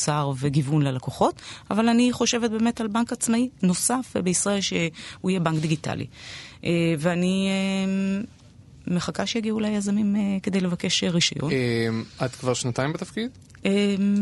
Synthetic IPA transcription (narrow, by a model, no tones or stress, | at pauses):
saʁveɡivunlelakoχo̞tavalaniχo̞ʃevet̚be̞ːme̞talbaŋkat͡smaino̞safbeisʁae̞lʃeuijebaŋkd̪iɡita̰lḭʔeveanie | eχakaʃejaɡiulajazamimeke̞d̪ejlevake̞ʃeʁiʃajo̰nmad̪kvaʁʃnat̪ajimbet̪afkid̪ | em